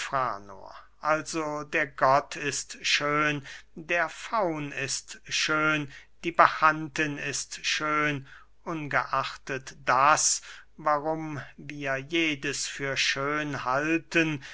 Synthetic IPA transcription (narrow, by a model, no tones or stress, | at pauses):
fʁ̥a̰ːno̰ɐ | ʔalzodeːɐɡɔtʰɪstʃøːndeːɐfaʊnɪstʃøːnd̥iːbaxantənɪstʃøːn | ʔʊnɡəʔaχtətd̥asvaʁʊmviːɐjeːdəsfyːɐʃøːnhaltən